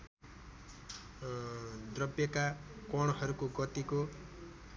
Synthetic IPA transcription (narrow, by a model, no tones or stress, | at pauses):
d̪rʌbjʌkakʌɽ̃ɦʌɾukoɡʌt̪iko